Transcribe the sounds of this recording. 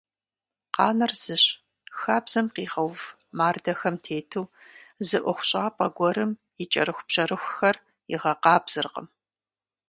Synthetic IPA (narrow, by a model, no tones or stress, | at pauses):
qɑ̰ːnɐrz̥ɨɕ | xaːbz̥ɐmqiːʁɐwv | maːrdɐxɐmtʰeːtʰuːzɨʔʷɔxʷʊɕʼaːpʼɐɡʷɔɾɨm | jɪt͡ʃʼɐ̰ɾɨxʷbɕɐɾɨxʷxɐr | jɪ̰ʁɐqɑːbz̥ɨrqʼə̰m